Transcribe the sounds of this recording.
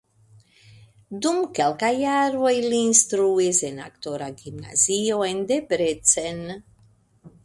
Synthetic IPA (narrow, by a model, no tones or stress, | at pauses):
d̪umkɛlkajaɾvojlinst̪ɾuezenakt̪oɾaɡimna̰zioend̪ebɾet̪sen